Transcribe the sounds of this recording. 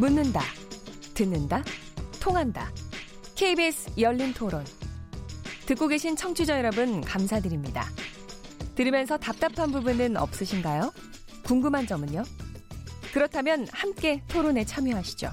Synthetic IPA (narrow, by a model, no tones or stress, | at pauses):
munːɯnda̰ | tɯnːɯnda | tʰoŋɦanda̰ | kʰeibesʰjʌʎːintʰoɾon | tɯk͈oɡe̞ɕʰint͡ɕʰʌŋt͡ɕʰud͡ʑʌjʌɾʌbɯnkamsʰadɯɾimɲida̰ | tɯɾimjʌnsʰʌtap̚t͈apʰanbubunɯnʌ̰p̚s͈ɯɕʰinɡajo | kuŋɡɯmɦand͡ʑʌmɯɲo | kɯɾʌtʰamjʌnhamk͈e̞tʰoɾone̞t͡ɕʰamjoɦaɕʰi̥d͡ʑo̰